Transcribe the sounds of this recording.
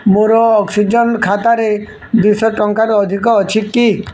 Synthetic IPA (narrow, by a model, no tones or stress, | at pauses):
moɾɔːksid͡ʒɔnkʰat̪aɾe | d̪isɔʈɔŋkaɾuɔd̪ʱikɔːt͡ʃʰiki